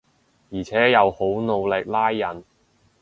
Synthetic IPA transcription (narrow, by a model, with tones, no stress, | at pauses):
jiː˨˩t͡sʰɛː˨˥jɐ˨˧who˨˥wno˨˧wlɪ˨k̚laː˥jːɐ˨˩n